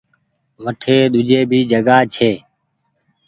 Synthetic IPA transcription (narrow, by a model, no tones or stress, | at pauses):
ʋəʈʰeːɗ̪ʊd͡ʒeːbʱiːd͡ʒəɡaːt͡ʃʰeː